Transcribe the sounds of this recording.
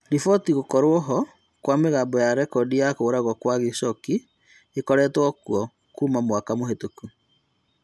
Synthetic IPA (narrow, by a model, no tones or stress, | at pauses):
ɾifɔtiɣokɔɾwɔɦɔ | kwameɣaːmbɔjaɾɛkɔdijakoːɾaɣɔkwaɣisɔki | ekɔɾɛtwɔkuɔ | kuːmamwakamoɦetoku